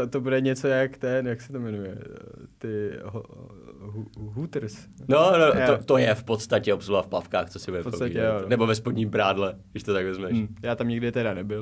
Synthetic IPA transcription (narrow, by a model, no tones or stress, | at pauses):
ot̪obudɛɲɛt͡sojakt̪ɛnjaksɛ̥t̪omɛnujɛt̪ɪɦo | ɦuɦut̪ɾ̩snonoot̪ojɛfpot̪st̪acɛopsulafpafkaːxtt͡sosɪbudɛpopɾot̪aiɛonnɛbovɛspodɲiːmbɾaːdlɛɡdɪʃt̪ot̪aɡvɛzmɛʃjaːt̪amɲɪɡdɪt̪ɛdanɛbɪl